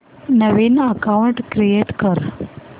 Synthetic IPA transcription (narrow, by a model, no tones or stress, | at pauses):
nəʋenəkauɳʈkɾieʈkəɾ